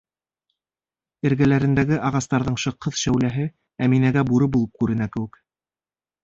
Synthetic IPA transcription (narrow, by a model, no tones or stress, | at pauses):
ɘ̆ɾɡælæɾɘ̆nd̪æɡɘʔɑʁɑst̪ɑɾðɤɴʃɤ̆qːɤðʃæwlæɦɘ | æminæɡæbuɾɤbulˠɤp̚kʉɾɘ̆nækɘ̆wɘ̆k